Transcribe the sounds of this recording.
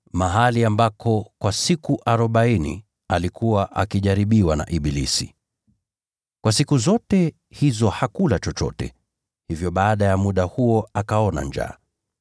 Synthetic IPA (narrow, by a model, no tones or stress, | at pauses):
maɦaliambakʰɔkwasikuʔaɾɔɓainḭ | alikuwaʔa̰kiʄaɾiɓiwana̰ʔiɓilḭsḭ | kwasikuzɔtɛ | hizɔhakulat͡ʃɔt͡ʃɔ̰tɛ̰ | hivjɔɓaːɗajamuɗahuɔakaɔna̰ɲd͡ʒa̰ː